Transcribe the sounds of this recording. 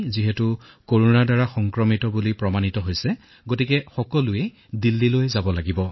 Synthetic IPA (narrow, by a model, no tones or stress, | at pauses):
ziɦɛtu | koɹunadaɹaxɔŋkɹɔmitɔbulipɹɔmanitɔɦojsɛ | ɡotikɛxɔkɔlʊe | dilːilojzabɔlaɡibɔ